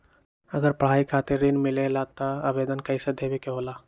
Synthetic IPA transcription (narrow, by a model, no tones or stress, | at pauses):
əɡəɾpəɽ̤aːikʰaːt̪eɾːinmɪlelat̪aaʋeːd̪ənkəɪsed̪ʱebekeɦoːla